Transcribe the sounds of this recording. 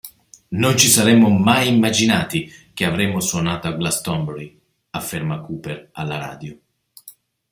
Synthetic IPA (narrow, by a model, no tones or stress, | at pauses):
nont͡ʃisaɾɛmːomajimːad͡ʒinaːt̪ik̟eavɾɛmːoswonaːt̪oaɡlast̪ɔmbɾi | afːermakuːperalːaɾa̰ːd̪jo